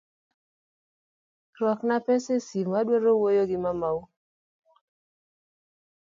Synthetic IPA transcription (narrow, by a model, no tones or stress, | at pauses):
rwɔknapɛsesimmadwɔɾowojoɡɪmamaw